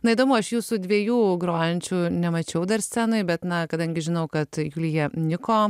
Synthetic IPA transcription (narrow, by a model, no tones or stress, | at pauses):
nɐid̪oːmʊːɐʃjuːsʊd̪ʲʋʲiɛjuːɡɾoːjɛnʲt͡ʃʲuːnʲɛmɐt͡ʃʲɛʊd̪ɐɾsʲt͡sʲænoɪbʲɛt̪nɐkɐd̪ɐŋʲɡʲɪʒʲɪnɐʊkɐt̪juːlʲjiɛnʲɪkoː